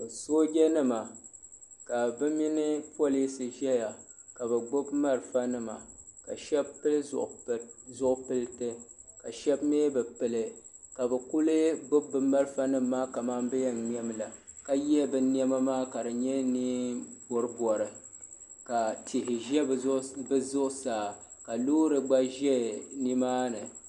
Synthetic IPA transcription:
ɨ˨so˦ɡʲɛ˦nɨ˦ma˨ | ka˨bɨ˦mi˦nɨ˦po˦li˦sɨ˨ʒɛ˦ja˨ka˨bɛ˨ɡ͡bʊ˦bma˦ɾfa˦nɨ˦ma̰˨ka̰˨ʃɛ˦bpːɨ˦lɨ˦zʊ̰˨ʔzʊ˦ʔʊ˦pɨ˦lɨ˦tɨ˦ | ka̰˨ʃɛ˦bmeː˦bɨ˨pɨ˨lɨ˨ | ka˨bɛ˨ku˦lɨ˦ɡ͡bʊ˦bːɨ˨ma˦ɾɨ˦fa˦nɨ˦mːaː˦ka˨ma˦mbɨ˦jɛ˦n˨m˦ɛ˦mla˨ka˦jɛ˦bɨ˦ni˦ɛ˦ma˦maː˦ka˨dɨ˨ɲɛ˦niː˦bɔ˨ɾɨ˦bwɔ˨ɾɨ˨ | ka˨tʰɪ˨ɦɪ˨ʒɛ˦bɨ˦zʊ˦ʔsaː˨ | ka˨loː˦ɾɨ˨ɡ͡ba˦ʒɛ˦ni˦maː˦nɨ˨

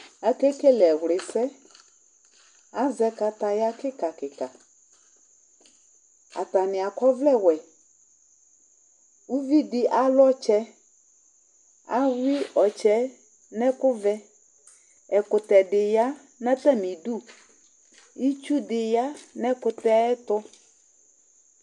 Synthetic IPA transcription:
a˨kɛ˦kɛ˦lɛ˨ɣlɪ˨sɛ˦ | a˨˦zɛ˦ka˨ta˨ja˦kɪ˦ka˨kɪ˨ka˨ | a˨ta˨nɪ˨a˨kɔ˦vlɛ˦˨wɛ˨ | u˦vi˦dɪ˦ʔa˨lɔ˦t͡ʃɛ˦ | a˦wi˦ɔ˨t͡ʃɛ˦ | nɛ̃˦kʊ˦vɛ˦ | ɛ˨kʊ˨t̪ɛ˨ɖɪ˨ja˦ | nɛ˦t̪ɛ˦mɪ̃˨du˦˨ | i˦t͡ʃu˦dɪ˨ja˦nɛ̃˦kʊ˨t̪ɛ˦ɛ˦t̪ɔ˦

